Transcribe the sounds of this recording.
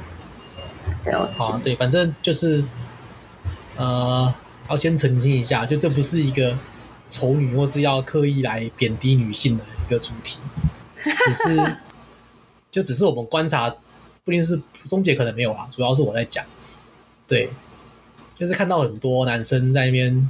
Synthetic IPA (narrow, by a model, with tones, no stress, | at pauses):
t̪we˥˩ɪfa˨˩nʈ͡ʂə˥ŋt͡ɕjo˥˧ʊʂɻ̩˥˩ | ə˨˩ | jɑ˥˩ʊɕjɛ˥nt͡sʰə˧˥ŋɕi˦ŋi˧˥ɕja˥˨t͡ɕjo˥˧ʊʈ͡ʂɤ˥˩p̬u˧˥ʂɻ̩˥˩i˧˥ɡə˧ | ʈ͡ʂʰo˧˥ʊny˨˩xwɔ˥˧˩ʂɻ̩˥˧jɑ˥˧ʊkʰɤ˥˧i˥˩la˧˦ɪpjɛ˨˩nt̪i˧˥ny˨˩ɕi˥˩ŋd̪ə˩i˦˥ɡə˧t͡su˨˩t̪ʰi˨˩˦ | ʂɻ̩˥˩ | t͡ɕjo˥˩ʊʈ͡ʂ̩˨˩ʂ̬ɻ̩˥˩wɔ˨˩mə˦nkwa˦nt͡sʰa˧˥ | pu˥˧i˥˧nʂ̬ɻ̩˥˧t͡sʊ˥ŋt͡ɕjɛ˧˥k̪ʰə˧˦ŋme˧˦ɪjo˨˩la̰˨ʈ͡ʂu˨jɑ˥˧ʊʂɻ̩˥˩wɔ˨˩t͡sa˥˩ɪt͡ɕjɑ̰˨˩˦ŋ | t̪we˥˩ɪ | t͡ɕjo˥˧ʊʂɻ̩˥˩kʰa˥˧nt̪ɑ˥˩ʊxə˨˩nt̪wɔ˦na˧˥nʂə˦ŋt͡sa˥˧ɪna˥˩pjɛ˥˩n